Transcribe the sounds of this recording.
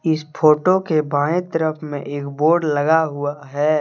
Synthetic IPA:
ɪspʰoːʈokebãːẽt̪əɾəpʰmẽʔeːkboːɾɖləɡaɦʊaɦɛː

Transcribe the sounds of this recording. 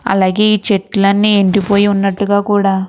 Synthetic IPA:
ɐ̰laːɡe̞ːiːt͡ʃeʈːlɐnːieɳʈipo̞ːjiunːɐʈːuɡaːkuːɽaː

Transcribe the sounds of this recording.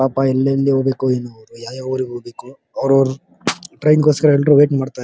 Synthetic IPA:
aːpaɛlːɐlːiɦoːɡbeːkueːnuɐʋɾujaːjaoɾiɡɦoɡbeːku | ɐʋɾɐɾu | ʈɾɐjnɡoːskɐɾɐɛlːɖɾuʋeːʈmaːɽt̪aː

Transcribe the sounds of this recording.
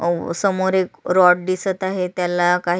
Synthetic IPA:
səmoɾekɾɔʈ̚d̪isət̪aɦet̪jalːakaɦ

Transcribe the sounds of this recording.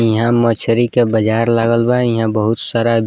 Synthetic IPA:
iɦãmət͡ʃʰəɾikebəd͡ʒaːɾlaɡəlbajɦãbəɦʊt̪saːɾa

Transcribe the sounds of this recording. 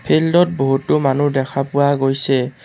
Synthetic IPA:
pʰeldɔt̚boɦutːʊmanudɛkʰapʊwaɡojsɛ

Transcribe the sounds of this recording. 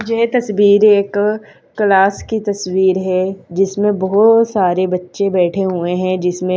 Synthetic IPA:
d͡ʒet̪ɐswiːɾeːkː | laːskit̪ɐswiːɾɦɛd͡ʒɪsmẽbɔɦɔt̪saːɾebɐtːʃẽbɛːʈʰeɦueɦɛ̃d͡ʒɪsmẽ

